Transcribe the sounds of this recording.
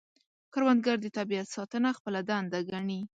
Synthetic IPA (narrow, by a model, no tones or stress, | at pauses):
kaɾwand̪ɡaɾd̪ət̪abijat̪sɑt̪ənaxpəlad̪and̪aɡaɳi